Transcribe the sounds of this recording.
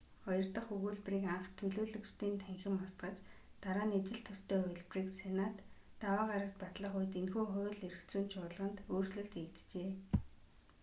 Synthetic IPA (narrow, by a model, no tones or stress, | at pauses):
ɔjɞ̆rt̪ə̆χɵɣuːɮpriːkaɴχt̪ʰːɵɮoːɮɵ̆kt͡ɕt̪ʰiːnt̪ʰæŋxʲɪ̆mɔst̪ɢə̆t͡ɕt̪aɾaːnet͡ɕɪ̆ɬt̪ʰːɔst̪ʰœːɔɮpriːksenat̪ːawaːʁaɾə̆kt̪̚pat̪ɮə̆χʊjt̪enxuːχʊjɮeɾɘ̆kt̪t͡suːnt͡ɕʰʊːt̪ɮʁə̆nt̪oːrt͡ɕɮɵ̆ɬt̪ekt̪t͡ɕeː